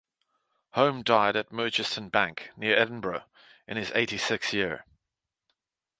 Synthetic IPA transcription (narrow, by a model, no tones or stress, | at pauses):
hə̃ʊ̃mdaɪɾəʔ̚mɜˑt͡ʃɪstə̃nbãŋknɪəɹɛdⁿn̩bɹə | ɪ̰̃nɪzḛɪtisɪksjɪəɹ